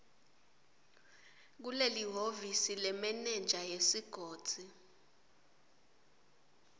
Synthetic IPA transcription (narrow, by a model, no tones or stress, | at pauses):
k̬uleliɦovisilɛmɛnɛnd͡ʒʱajesiɡ̥ʱoːd̥z̥ʱi